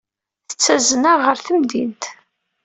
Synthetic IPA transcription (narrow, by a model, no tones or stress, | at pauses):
θə̥t͡sːæzənaʁəɾθəmd̪int̪